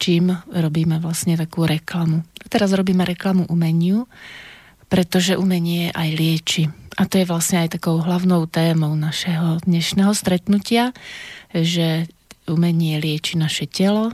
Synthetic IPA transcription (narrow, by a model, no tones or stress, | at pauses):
t͡ʃiːmɾɔbiːmɛʋlasɲɛt̪akuːɾɛklamuat̪ɛɾazɾɔbiːmɛɾɛklamuʔumɛɲɪu | pɾɛt̪ɔʒɛʔumɛɲɪɛʔajlɪɛt͡ʃiʔat̪ɔjɛʋlasɲɛajt̪akɔʊɦlaʊnɔʊt̪ɛːmɔʊnaʃɛɦɔd̪ɲɛʃnɛːɦɔst̪ɾɛt̪nucɪa | ʒɛumɛɲɪɛlɪɛt͡ʃinaʃɛcɛlɔ